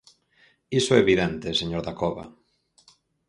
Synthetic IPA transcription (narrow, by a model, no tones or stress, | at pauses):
isoɛeβiðent̪eseɲoɾðakoβa̰